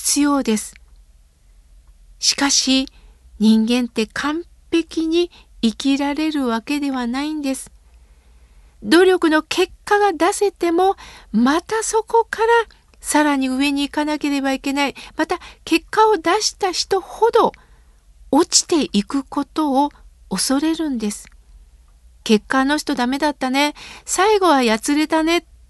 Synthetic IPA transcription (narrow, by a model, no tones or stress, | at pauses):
t͡sɨjo̞ːd̪e̞sɨ̥ | ɕi̥kaɕi | ɲ̟ĩŋɡẽ̞nt̪e̞kʰãm | pe̞kʲiɲ̟i | ikʲiɾaɾe̞ɾɯ̟βake̞d̪e̞β̞anaĩnd̪e̞sɨ̥ | d̪o̞ɾʲo̞kɯ̟no̞kʰe̞kːaɡad̪ase̞t̪e̞mo̞mat̪aso̞ko̞kaɾa | saɾaɲ̟iɯ̟e̞ɲ̟iːkanake̞ɾe̞baike̞naimat̪ake̞kːao̞d̪aɕi̥t̪açi̥t̪o̞ho̞d̪o̞ | ot͡ɕi̥t̪e̞ʔikɯ̟ko̞t̪o̞ː | so̞ɾe̞ɾɯ̟̃nd̪e̞sɨ̥ | ke̞kːano̞çi̥t̪o̞d̪ame̞d̪at̪ːane̞saiɡo̞β̞ajat͡sɨɾe̞t̪ane̞